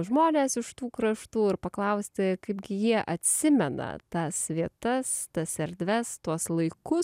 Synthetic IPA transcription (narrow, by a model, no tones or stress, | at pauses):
ʒmoːnʲeːsɪʃt̪uːkɾɐʃt̪uːɪɾpɐklˠɐʊsʲt̪ʲɪkɐɪbɡʲɪjiɛʔɐt̪ʲsʲɪmʲɛnɐ̰t̪ɐsʋʲiɛt̪ɐst̪ɐsɛɾʲd̪ʲʋʲɛst̪uɔslˠɐɪkʊs